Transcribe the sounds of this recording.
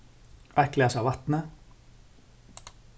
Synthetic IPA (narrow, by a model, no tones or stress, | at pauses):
ʔæklæːsɑːʋɑt̪nə